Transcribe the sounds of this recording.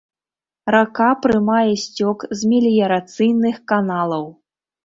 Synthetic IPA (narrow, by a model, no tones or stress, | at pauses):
rakapɾɨmajɛsʲt͡sʲɔkzʲmʲɛlʲijɐɾat̪sɨjnɨxkanalˠɐw